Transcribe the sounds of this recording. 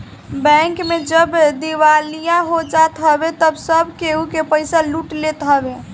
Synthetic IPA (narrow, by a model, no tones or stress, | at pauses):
bɛŋkmed͡ʒəbd̪iʋalijaɦod͡ʒat̪ɦəbet̪əbsəbkeukepəɪsaluʈlet̪ɦəbe